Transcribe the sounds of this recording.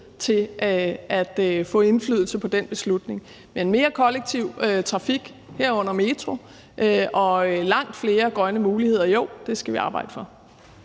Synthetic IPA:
t͡sʰe̝ʔæd̥fɔ̰̽ːe̝nflyːð̰ˠl̩səpʰɒ̽d̥enb̥e̝slud̥ne̝ŋ | mee̝nme̝ːɐkʰɒ̽leɡ̥̚t͡sʰiʊ̰øt͡sʰʁɑ̈fiɡ̥ | heɐ̰ɔ̽n̰ɐme̝t͡sʰʁo̝ | ʔʔɒ̽ølɑ̈ŋ̰d̥fle̝ːɐɡ̥ʁɶnəmuːlihe̝ð̰ˠɐjoʊd̥e̝sɡ̥æʋiɑ̈ːb̥ɑ̈ɪ̰d̥əfɒ̽

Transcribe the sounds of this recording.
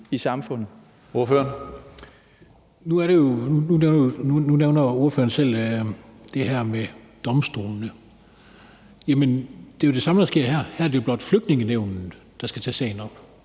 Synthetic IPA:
isɑ̈mfɔ̽n̰ð̩ˠ | oɐføɐn | nuæɐɾ̥e̝jo̝nununeʊnɐonununeʊnɐo̝ɐfø̰ːɐn̩sel̰ | d̥e̝hæɐ̰me | d̥ɒ̽msd̥o̰ːlnə | jæmənd̥e̝jo̝d̥e̝sɑ̈məd̥ɑsɡ̥e̝ɐ̰hæɐ̰hæɐ̰d̥ejo̝b̥lɒ̽d̥fløɡ̥̚d̥ne̝ŋəneʊ̰nn̩ | d̥ɑ̈sɡ̥æt͡sʰɛ̰ːsɛ̰ɪnɒ̽b̥

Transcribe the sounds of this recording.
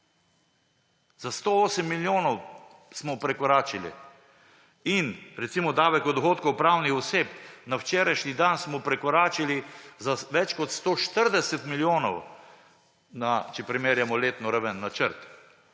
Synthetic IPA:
z̥ast̪ooːsɛmːiljoːnɔw | smɔpɾɛkɔɾaːt͡ʃilḭ | inɾɛt̪simɔd̪aːʋɛkɔd̪ɔxoːt̪kɔwpɾaːwnixɔseːp̚nawt͡ʃeːɾajʃnid̪ansmɔpɾɛkɔɾaːt͡ʃilizaʋɛt͡ʃkɔt̪st̪oːʃt̪əɾd̪ɛsɛt̪miljoːnɔw | nat͡ʃɛpɾimeːɾjamɔleːt̪nɔɾaʋənːat͡ʃəɾt̪

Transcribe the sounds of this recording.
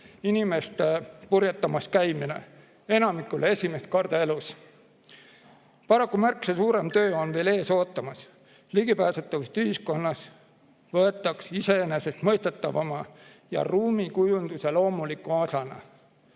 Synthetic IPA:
inime̞st̪epurjɑt̪ːɑmɑskæjmine̞̰ | e̞nɑmikːˑulʔee̞sʲime̞st̪̚kɑrd̪̥ɑe̞lus | pɑɾɑkːˑumærksesuːɾe̞mt̪ø̞ːo̞nve̞ːle̞ːso̞ːt̪ːˑɑmɑs | liɡ̥ipæːsut̪ːˑɑvɑst̪yɦhisko̞nːɑs | vɤ̞e̞t̪ˑːɑksise̞ene̞se̞st̪mɤ̞jst̪et̪ːˑɑvɑmɑ | jɑ̰ruːmikujund̪̥use̞lo̞ːmulikːˑuosɑnɑ̰

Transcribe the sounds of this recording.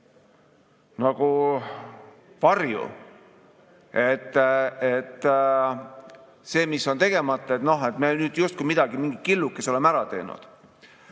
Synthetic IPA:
nɑɡ̥u | vɑrjṵ | e̞t̪ːˑet̪ːˑ | se̞ːmisːo̞nt̪e̞ɡ̥e̞mɑt̪ːˑɑet̪no̞ɦe̞t̪ːˑmenyːd̪̥just̪̚kuimid̪̥ɑɡimiŋɡit̪̚kilːukːˑeso̞lemæɾɑt̪e̞̰ːnṵd̪̥

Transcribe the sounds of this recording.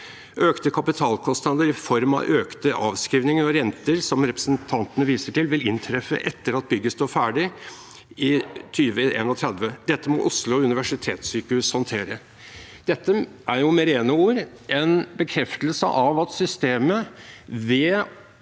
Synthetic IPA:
ʔøːkt̪əkʰɑpɪt̪ʰɑːlkʰɔst̪nɑd̪əɾɪfɔɾmɑ̰ʔøːkt̪əʔɑːʋskɾiːʋnɪŋəɾɔɾɛnt̪əɾsɔmɾɛpɾə̥sənt̪ʰɑnt̪ənəʋiːsəʈɪlʋɪlɪnt̪ʰɾɛfːə̰ʔɛt̪ːəɾɑt̪̚bʏɡːəst̪oːfæːɖɪ | ɪt̪ʰyːʋəʔḛːnɔt̪ʰɾɛd̪ʋəd̪ɛt̪ːəmɔ̰ʔʊslʊʉnɪʋæʂɪt̪ʰeːt̪syːkəhʉshɑnt̪ʰeːɾə | d̪̥ɛt̪ːəʔæɾjʊmeːɾeːnəuːɾ | ʔɛnbəkʰɾɛft̪əlsə̰ʔɑʋɑt̪sʏst̪eːməʋe

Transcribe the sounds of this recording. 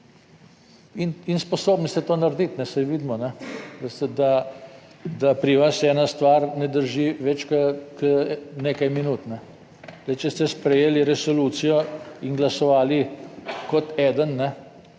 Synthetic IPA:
ininspɔsoːbnist̪ɛt̪oːnaɾd̪it̪nɛsɛjʋiːd̪mɔnɛd̪ast̪ɛd̪a | d̪apɾiʋasɛːnast̪ʋaɾnɛd̪əɾʒiʋɛt͡ʃkəkəneːkajminuːt̪nɛ | d̪ɛjt͡ʃɛst̪ɛspɾɛjeːliɾɛsɔluːt̪sijɔinɡlasɔʋaːlikɔt̪ɛːd̪ənːɛ

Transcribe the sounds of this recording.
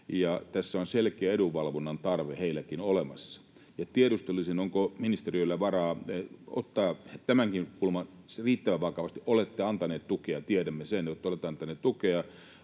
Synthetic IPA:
jɑt̪æsːæonselkeæeduʋʋɑlʋonːɑnt̪ɑrʋeheilːˑækinolemɑsːɑ̥ | jɑt̪ieɾust̪ulːisinoŋkominist̪eriølːæʋɑrɑːo̰t̪ːɑːt̪æmæŋkinkulmɑn | riːt̪ːæʋæʋɑkɑʋɑst̪iʔolet̪ːeɑnt̪ɑneːt̪t̪ukeɑt̪ieɾæmːesenjot̪ːolet̪ːɑnt̪ɑneːt̪t̪ukeɑ

